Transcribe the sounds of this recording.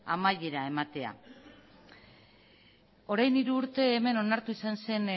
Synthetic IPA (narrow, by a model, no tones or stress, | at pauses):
amaje̞ɾae̞mat̪e̞a̰ | o̞ɾajniɾuːɾt̪e̞ːme̞no̞naɾt̪uisanse̞n